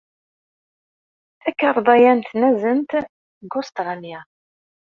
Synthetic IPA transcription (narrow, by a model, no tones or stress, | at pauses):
ækːəɾˤðˤɑjænt̪næzənt̪ | ɡost̪ʁanjæ